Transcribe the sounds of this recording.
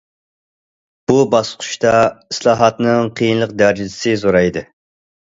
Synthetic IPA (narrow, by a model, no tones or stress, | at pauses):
b̥ubɑsqʰʊ̥ʃt̪ɑislˠɑːɦɑt̪nɨŋqʰijinlˠəq̚d̪æɾd͡ʒid̪ʰɪ̥sɨzoɾɑjd̪ɨ